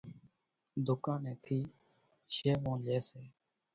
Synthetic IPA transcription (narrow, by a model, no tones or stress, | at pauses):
d̪ʊkãːnɛ̃ːt̪ʰiː | ʃeːʋõːd͡ʒeːseː